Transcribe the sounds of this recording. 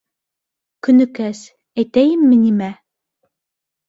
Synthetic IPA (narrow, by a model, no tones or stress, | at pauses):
kɵ̆nɵ̆kæs | æjt̪æjɘmːɘnimæ